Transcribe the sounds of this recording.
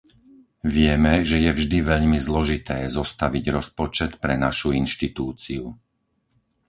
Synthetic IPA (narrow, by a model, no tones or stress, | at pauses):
ʋɪɛmɛʒɛjɛvʒd̪iʋɛʎmizlɔʒit̪ɛːzɔst̪aʋiɟɾɔspɔt͡ʃɛt̪pɾɛnaʃuinʃt̪it̪uːt͡siu